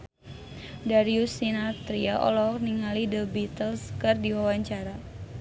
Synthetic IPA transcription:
daɾiusinat̪ɾiaʔɔ̰lɔkniŋalidəbit̪əlskərdiwawaɲt͡ʃaɾa

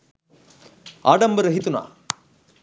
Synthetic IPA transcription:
a̰ːɖɐmbɐɾɐɦit̪una̰ː

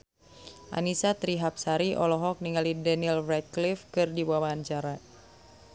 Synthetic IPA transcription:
ʔa̰nisat̪ɾiɦap̚saɾiʔɔlɔɦɔk̚niŋalidɛnilvɛt̪̚klifkɨrdiwawaɲt͡ʃaɾa

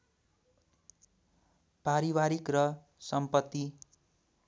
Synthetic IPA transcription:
paɾibaɾikrʌ | sʌmpʌt̪ːi

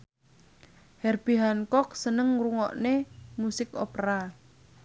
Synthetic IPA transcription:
hɛrb̥iɦankɔk̚sənəŋruŋɔʔnemusɪko̰pɾa

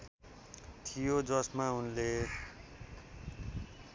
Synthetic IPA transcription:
t̪ʰijod͡zʌsmaunle

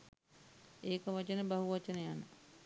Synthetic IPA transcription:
eːkəʋat͡ʃənəbaɦuʋat͡ʃənəjanə

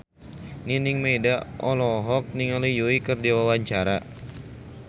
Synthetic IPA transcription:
niniŋmedaʔɔlɔɦɔk̚niŋalijoikərdiwawaɲt͡ʃaɾa

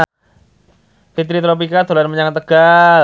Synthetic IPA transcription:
fit̪̬ɾit̪ɾop̬ikat̪olanməɲaŋt̪əɡ̥a

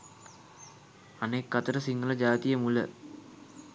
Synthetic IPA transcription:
ɐneːkːɐt̪ɐɾɐsiŋɡɐlɐd͡ʑaːt̪ijɐmulɐ̰

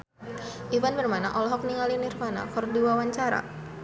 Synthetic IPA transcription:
ʔivanbərmanaʔɔlɔɦɔk̚niŋalinirmana̰kərdiwawaɲt͡ʃaɾa̰

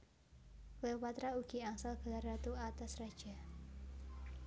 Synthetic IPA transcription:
lɛpat̪ɾauɡiaŋsalɡalaɾat̪uat̪asrḁd͡ʒ̥a

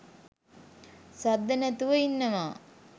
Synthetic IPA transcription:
sad̪ːənæt̪uʋəinːəʋaː

